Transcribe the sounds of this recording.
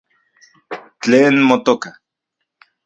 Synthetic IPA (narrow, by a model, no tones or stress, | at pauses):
t͡ɬeːnmot̪oka